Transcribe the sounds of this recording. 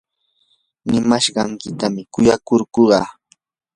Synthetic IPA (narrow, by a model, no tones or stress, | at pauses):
nɪmaʃɢɑŋkɪt̪amɪkʊjakoɾkoɢɑ̰ː